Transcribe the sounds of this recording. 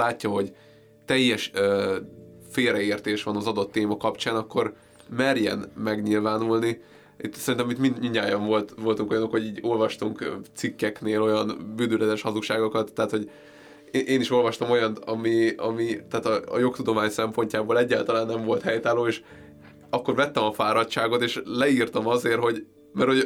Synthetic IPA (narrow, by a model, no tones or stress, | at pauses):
laːcːɒɦo̞ɟ | t̪ɛjːɛʃ | feːɾɛeːrt̪eːʃʋɒnɒzɒd̪o̞t̪ːeːmɒkɒpt͡ʃaːnɒkːo̞r | mɛrjɛ̰nmɛɡɲilvaːnulni | it̪ːsɛɾint̪ɛmit̪minmiɲaːjɒɱvo̞lt̪ʋo̞lt̪uŋko̞jɒnokho̞ɟiːɟo̞lvɒʃt̪uŋkt̪sikːɛkneːlo̞jɒnbyːnd̪ylɛd̪ɛʃhɒzukʃaːɡokɒt̪ːɛɦat̪ho̞ɟ | ʔeːniʃo̞lvɒʃt̪ɒmo̞jɒnɒmiɒ̰mit̪ɛːt̪ɒ̰ːjo̞kt̪ud̪o̞maːɲsɛmpo̞ɲcaːboːlɛɟːaːlt̪ɒlaːnːɛɱvo̞lt̪hɛjt̪aːloːeːʃ | ɒkːo̞ɾvɛt̪ːɛmɒfaːɾɒtʃaːɡo̞t̪eːʃlɛirt̪ɒmɒzeːrɦo̞ɟ | mɛrho̞ɟ